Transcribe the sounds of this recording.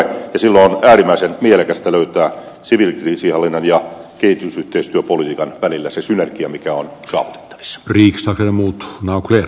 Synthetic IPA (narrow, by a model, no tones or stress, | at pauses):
jɑsilːonæːrimːˑæisenmielekæst̪æløyt̪æː | siʋilkrisihɑlːinːɑnjɑkehit̪ysyht̪eist̪yøpolit̪iːkɑnʋælilːæsesynerkiɑmikæonsɑ̰ːʋut̪e̥t̪ːɑ̥ʋ̥i̥sːɑ̥riːkst̪ɑksenemuːt̪nɑukler